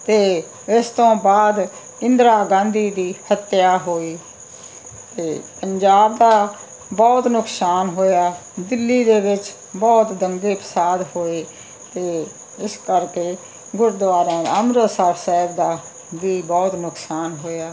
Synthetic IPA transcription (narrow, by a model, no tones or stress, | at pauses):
t̪eː | ɪst̪õːbaːd̪ | ɪnd̪ɾaːɡãːnd̪iːd̪iːhət̪jaːɦoːiː | t̪eːpəɲd͡ʒaːbd̪aː | bɔːt̪nʊksaːnɦoːjaːd̪ɪlːiːd̪eːʋɪt͡ʃ | bɔːt̪d̪əŋɡeːpə̥saːd̪hoːeː | t̪eː | ɪskəɾkeː | ɡʊɾd̪ʋaːɾãːd̪aəmɾəsaːbsɛːbd̪aː | ʋiːbɔːt̪nʊksaːnɦoːjaː